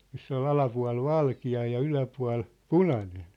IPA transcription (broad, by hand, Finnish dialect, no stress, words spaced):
misː ol ɑlɑpuɑ̝l ʋɑlkiɑ jɑ ylæpuɑ̝l punɑnen